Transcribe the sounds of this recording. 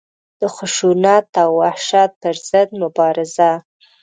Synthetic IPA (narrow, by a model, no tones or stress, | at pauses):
d̪̥əxʊʃunɑt̪awːahʃɑt̪̚pəɾz̥əd̪̚mʊbɑɾɪza